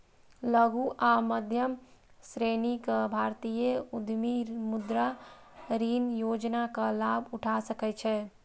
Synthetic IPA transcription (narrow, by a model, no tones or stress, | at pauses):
ləɡuʔaməd̪ʱjəm | sɾenikbʱaɾt̪ijəud̪ʱmimud̪ɾaɾinjod͡ʒnakalabʱuʈʰasəkɛt͡ʃʰɛ